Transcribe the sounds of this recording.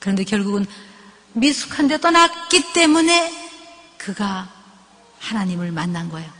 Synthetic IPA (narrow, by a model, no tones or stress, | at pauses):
kɯɾʌnde̞kjʌɭɡuɡɯn | misʰu̥kʰande̞t͈ʌnak͈it͈e̞mune̞ | kɯɡa | hanaɲimɯɭmanːanɡʌejo